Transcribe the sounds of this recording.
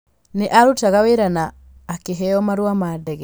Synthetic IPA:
neʔaɾutaɣaweɾanaː | keɦɛɔmaɾwamadɛɣɛ

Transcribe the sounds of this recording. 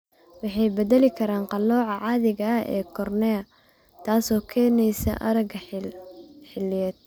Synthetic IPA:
wɑħɑjbɛðɐlɪkʰɐɾaːnqɑlɔːʕɑʕɑːðɪɣɐɛ̰ːkʰɔrnɛɐ | t̪ʰaːsɔːkʰɛːnɛjsɐ̰ʔɐɾɐɡ | ħɪlɪjɛːd̪̥̚

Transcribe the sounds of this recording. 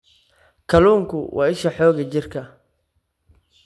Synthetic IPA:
kʰɐluːŋkʰʊ̰wʔɑ̰ːɪʃɐħɔːɣɐt͡ʃɪrkʰɐ

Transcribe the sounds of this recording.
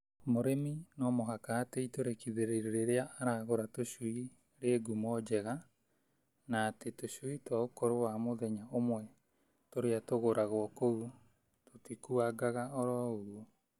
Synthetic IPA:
moɾeminɔmoɦakaːteitoɾekiðeɾeɾeɾeɾeaaɾaːɣoɾatoɕui | ɾeːɡumɔd͡ʑɛɣa | naːtetoɕuitwaokoɾowamoðɛɲaomwɛ | toɾeatoɣoɾaɣwɔkou | totikuaɡaɣaɔɾɔoɾwo

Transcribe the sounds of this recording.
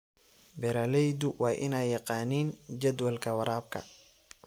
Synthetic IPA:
bɛɾɐlɛjd̪uwɑːʔɪnɛjːɑqɑːniːnd͡ʒɐd̪wɐlkʰɐwɐɾaːb̚kʰɐ̰

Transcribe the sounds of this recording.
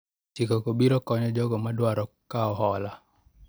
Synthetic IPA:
t͡ʃikɔkobiɾɔkɔɲɔd͡ʒɔɡɔmadwaɾɔkːaɔɦɔla

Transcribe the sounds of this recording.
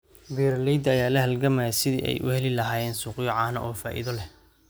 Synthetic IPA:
biːɾlɛjd̪ɐjaːlɐhɐlɡɐmɐjasɪðḭːʔɛ̰jʔʊ̰hɛlɪlɐɦaːjɛːnsuːqjɔʕaːnɐʔɔːfa̰ːʔḭðɔlɛh

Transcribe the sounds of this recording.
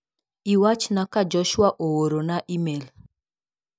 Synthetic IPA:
iwat͡ʃnakad͡ʒɔʃwaʔowoɾonaʔimel

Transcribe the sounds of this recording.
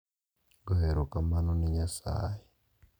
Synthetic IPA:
ɡoɦeɾokamanuniɲasa̰ːji

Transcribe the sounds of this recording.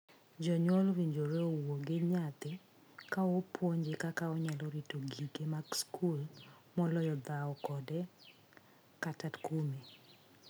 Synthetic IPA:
d͡ʒɔɲwɔlwiɲd͡ʒoɾeowoɡɪɲat̪ɪ | kaopʰwoɲd͡ʒekakaɔɲalɔɾitoɡikemaɡskul | mɔlɔjɔd̪aɔkɔdɛ | katatkume

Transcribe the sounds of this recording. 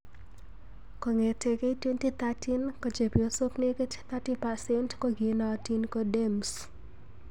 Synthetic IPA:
kɔŋetekeitwentit̪atinkɔd͡ʒepiosopnekett̪atipasɛntkoɡinatinkɔdems

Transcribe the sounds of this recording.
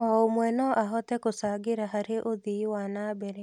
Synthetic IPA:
ɔomwɛnɔʔaɦɔtɛkosaɡeɾaɦaɾeʔoðiwanabɛɾɛ

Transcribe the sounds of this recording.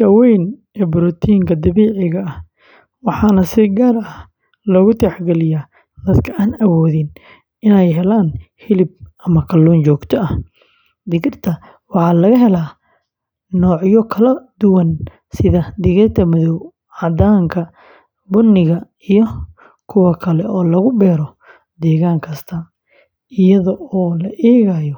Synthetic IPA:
ʃɐwɛjn | ɛːbʊɾɔt̪ʰiːŋkʰɐd̪ɐβɛːʕɪɣɐɐh | wɑħɑnɐsɪɡaːrɐh | lɔːɣʊt̪ʰɛħɡɛlɪja | d̪̥ɐd̪kʰɐaːnɐwɔːðɪn | ɪnɛjɦɛlaːnhɪlɪb̚ʔɐmɐkʰɐlːɔːnt͡ʃɔːɡt̪ʰɔɐh | d̪ɪɣɪrt̪ʰɐ | wɑħɑːlɐɣɐɦɛlaː | nɔːʕjɔkʰɐlɐd̪ʊwɐn | sɪðɐd̪ɪɣɪrt̪ʰɐmɐðɔw | ʕɑd̪aːŋkʰɐ | bʊnːɪɣɐ | ijɔ | kʰʊwɐkʰɐlɛʔɔːlɐɣʊbɛːɾɔ | d̪ɛːɣaːŋkʰɐst̪ʰɐ | ɪjɐðɔɔːlɐʔɛːɣaːjɔ

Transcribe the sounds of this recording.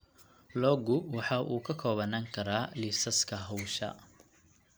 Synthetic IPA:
lɔːɡʊwɑħɑːʔuːkʰɐkʰɔːβɐnaːŋkʰɐɾaːlisɐskʰɐɦɔwʃɐ̰

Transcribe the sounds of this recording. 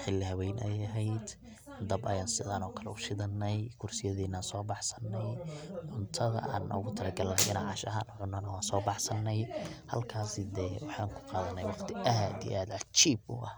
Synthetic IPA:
ħɪlːɪhɐwɛjnʔɛjɐɦɛjd̪ | d̪ɐbɐjaːnsɪðaːnɔːkʰɐlɛ̰ʊʃɪðɐnːɛjkʰʊrsɪjɐðɛːnːaːnsɔːbɑħsɐ̥nːɛjʕʊnt̪ʰɐðɐ̰ʔa̰ːnɔ̰ɣʊt̪ʰɐlɐɡɐlnɛjɪnaʕɑʃɐ̰ɦaːnʕʊnːɐnɐwɑːnsɔːbɑħsɐnːɛjhɐ̰lkʰaːsɪd̪ɛːwɑħɑːŋkʰʊ̥qɑːðɐnːɛjwɑqt̪ʰɪʔɐɦd̪ijɛ̰ʔaːd̪ʕɑt͡ʃiːbʊ̰ʔɐh

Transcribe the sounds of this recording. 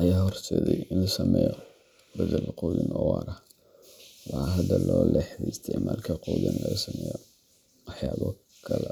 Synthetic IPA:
ʔɐjaːhɔrsɛːðɛjɪnlɐsɐmɛjɔ | bɐðɐlquːjɪnɐwɑːɾɐ | wɑħɑɦɐd̪ɐlɔːlɛħd̪ɛst̪ʰɛmaːlkʰɐquːjɐnlɐsɐmɛjɔ | wɑħjaːβɔ | kʰɐlɛ

